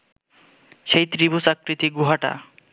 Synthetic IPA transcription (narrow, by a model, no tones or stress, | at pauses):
ʃejt̪ɾibusakɾit̪iɡuɦaʈa̰